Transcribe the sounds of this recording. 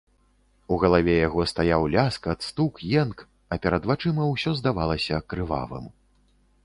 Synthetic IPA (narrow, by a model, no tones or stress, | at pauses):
uɣɐlˠavʲɛjaɣɔst̪ajawlʲaskɐt̪st̪ukjɛnk | ɐpʲɛɾɐd̪vat͡ʂɨmɐwsʲɔzd̪avalˠɐsʲɐkɾɨva̰vɨ̰m